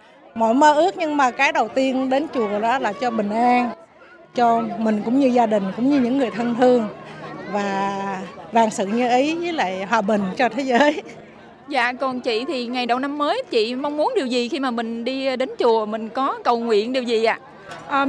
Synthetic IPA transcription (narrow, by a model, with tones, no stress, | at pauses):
mo̰˧˨jməː˧ʔɨ˦˥ək̚ɲɨ˧ŋmaː˨˩kaː˨˦jɗə˨˩wt̪i˧ənɗe˨˦nt͡ɕu˨˩əɗɔ˨˦laː˨˩t͡ɕɔ˧ɓï˨˩ŋ̟ʔaː˧n | t͡ɕɔ˧mï˨˩ŋ̟kʊ̰˧˥ŋ͡mɲɨ˧zaː˧ɗï˨˩ŋ̟kʊ̰˧˥ŋ͡mɲɨ˧ɲɨ̰˧˥ŋːɨ˨˩əjt̪ʰə˧nt̪ʰɨ˧əŋvaː˨˩ | vaː˧˩ŋsɨ̰˧˨ɲɨ˧ʔi˨˦jvəː˨˦jla̰ː˧˨jɦwaː˨˩ɓï˨˩ŋ̟t͡ɕɔ˧t̪ʰe˨˦zəː˨˦j | za̰ː˧˨kɔ˨˩nt͡ɕḭ˧˨t̪ʰi˨˩ŋa˨˩jɗə˨˩wna˧mːəː˨˦jt͡ɕḭ˧˨ma˧wŋ͡mmu˨˦ənɗi˨˩wzi˨˩xi˧maː˨˩mï˨˩ŋ̟ɗi˧ɗe˨˦nt͡ɕu˨˩əmï˨˩ŋ̟kɔ˨˦kə˨˩wŋwḭ˧˨ənɗi˨˩əwzi˨˩ʔa̰ː˧˨ | ʔəː˨˩